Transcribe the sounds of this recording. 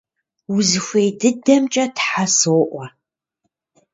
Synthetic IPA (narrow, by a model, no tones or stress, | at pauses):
wʊzɨxʷejdɨdɐmt͡ʃʼɐtħasowʔʷɐ